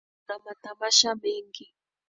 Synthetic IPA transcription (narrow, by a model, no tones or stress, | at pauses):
amat̪amaʃamɪŋkɪ